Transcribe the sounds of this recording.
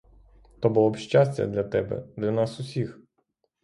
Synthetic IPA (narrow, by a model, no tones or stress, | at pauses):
t̪ɔbʊlˠɔpʃt͡ʃasʲtʲɐ̰d̪lʲɐt̪ɛbɛ̰d̪lʲɐnɑsʊsʲix